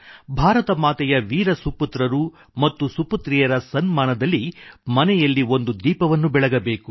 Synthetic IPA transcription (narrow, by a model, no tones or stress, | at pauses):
bʱaːɾɐt̪ɐmaːt̪ɛjɐʋiːɾɐsuput̪ɾɐɾu | mɐt̪ːusuput̪ɾijɐɾɐsɐnmaːnɐd̪ɐlːimɐnɛjɐlːio̞nd̪ud̪iːpɐʋɐnːubɛɭɐɡɐbe̞ːku